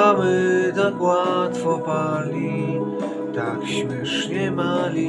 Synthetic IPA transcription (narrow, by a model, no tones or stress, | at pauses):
amɘt̪akwat̪fɔpalʲi | t̪akɕmʲɛʂɲɛmalʲi